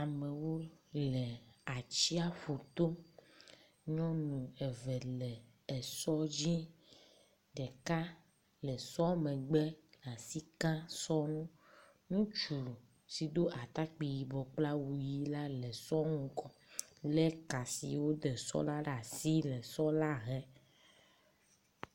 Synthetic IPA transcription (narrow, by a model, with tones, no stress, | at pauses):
a˨me˨wo˦lɛ˨a˨t͡ɕi˦a˦ɸo˨t̪o˦ | ɲɔ̃˦nũ˨ɛ˨vɛ˨lɛ˨ | ɛ˨sɔ˦d͡ʑi˦ | ɖɛ˨ka˦ | lɛ˨sɔ˦mɛ̃˨ɡ͡bɛ˦la˨si˦kã˦sɔ˦nũ˦ | nũ˦t͡ʃu˨lu˨ | si˨d̪o˦ʔa˨t̪a˦k͡pi˨ji˨bɔ˨k͡pla˦wu˨ji˦la˦lɛ˨sɔ˦ŋũ˦kɔ˨lɛ˦ka˨sḭ˨wo˦ɖɛ˨sɔ̰˦la˦ɖa˨si˦lɛ˨sɔ˦la˦ɦɛ˦